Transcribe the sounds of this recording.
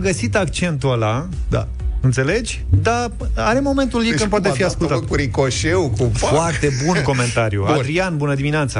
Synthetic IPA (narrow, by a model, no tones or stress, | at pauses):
ɡəsit̪akt͡ʃe̞nt̪uala | d̪a̰ | ɨnt̪se̞le̞d͡ʒʲd̪a | aɾe̞mo̞me̞nt̪ulikənp̬oat̪̬efiaskult̪akuɾikoʃewkufoart̪e̞bunko̞me̞nt̪aɾjṵad̪ɾianbunəd̪imineat̪sə